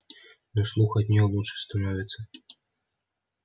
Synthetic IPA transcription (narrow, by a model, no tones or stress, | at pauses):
nɔslˠuxɐd̪ʲnʲɔlˠut͡ʂɨ̥st̪anɔvʲɪt̪sɐ